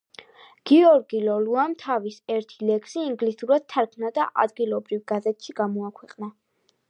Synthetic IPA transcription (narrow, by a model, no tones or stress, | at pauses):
ɡ̥iɔɾɡilɔluamt̪ʰavisɛɾt̪ʰilɛksiːŋɡlisuɾad̪̥̚t̪ʰːaɾkʰnad̪aʔa̰d̪ɡilˠɔbɾivɡ̥azɛt̪ʰʃiɡamɔakʰwɛqʼna